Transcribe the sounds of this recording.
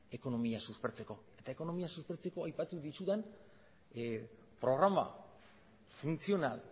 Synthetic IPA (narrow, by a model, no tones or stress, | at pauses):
e̞ko̞no̞miasuspe̞ɾt͡se̞ko̞e̞t̪aeko̞no̞miasuspeɾt͡se̞ko̞ajpat̪uðisuðen | pɾo̞ɣ̞ɾama̰ | funt͡sio̞nal